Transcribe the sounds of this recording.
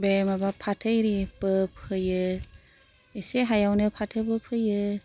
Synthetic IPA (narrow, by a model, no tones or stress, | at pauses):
bemabapʰatʰɯjɾibɯpʰɯjɯ | eseɦajawnɯpʰatʰɯbɯpʰɯjɯ